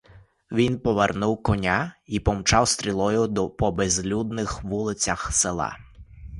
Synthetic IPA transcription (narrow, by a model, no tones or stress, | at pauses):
ʋʲinpɔʋernuwkɔnʲaipɔmt͡ʃɑwst̪ʲɾʲilˠɔjʊd̪ɔpɔbezlʲud̪nɪxʋulˠɪt͡sʲɐxselˠɑ̰